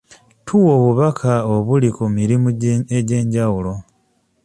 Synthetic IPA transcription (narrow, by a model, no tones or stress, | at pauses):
tʰuwoβuβakʰaoβulikumiɾimueɟe̞ːɲɟawulo̞